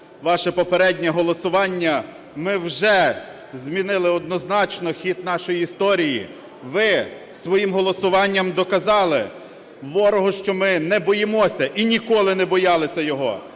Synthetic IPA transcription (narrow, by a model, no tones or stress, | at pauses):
ʋɑʃɛpɔpeɾɛdʲnʲɛɦɔlˠɔsʊʋɑnʲːɐ | mɪwʒɛ | zʲmʲinɪlˠɪɔd̪nɔznɑt͡ʃnɔxʲit̪nɑʃɔjiist̪ɔɾʲiji | ʋɪ | sʋɔjimɦɔlˠɔsʊʋɑnʲːɐmd̪ɔkɐzɑlˠɪ | ʋɔɾɔɦɔʃt͡ʃɔmɪnɛbɔjemɔsʲɐʔinʲikɔlˠɪnɛbɔjɑlˠɪsʲɐjɔɦɔ